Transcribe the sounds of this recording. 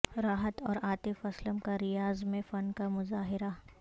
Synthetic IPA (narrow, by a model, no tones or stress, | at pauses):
ɾaːɦət̪ɔːɾaːt̪ɪfɐsləmkaɾɪjaːzmẽfɐnkamʊzaːɦɪɾa